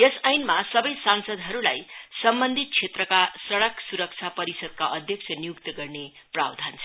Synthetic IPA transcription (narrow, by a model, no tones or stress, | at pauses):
jesajnmasʌbʌjsansʌd̪ɦʌɾula̰jsʌmbʌnd̪ʱit̪̚t͡sʰet̪rʌkasʌɽʌksuɾʌk̚t͡sʰapʌɾisʌd̪̚kaʔʌd̪ʱjʌk̚t͡sʰʌnijukt̪ʌɡʌrne | pra̰bd̪ʱant͡sʰʌ